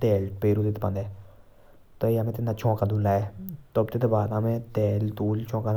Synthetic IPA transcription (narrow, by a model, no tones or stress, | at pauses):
t̪ɛːlpeːɾuːd̪ɪt̪ːpə̃nd̪ɛː | t̪oeəmẽːt̪ɪnːaːt͡ʃʰɔ̃ːkad̪uːlːaːɛːt̪obt̪eːt̪ebaːd̪amẽːt̪ɛːlt̪uːlt͡ʃɔ̃ːkaː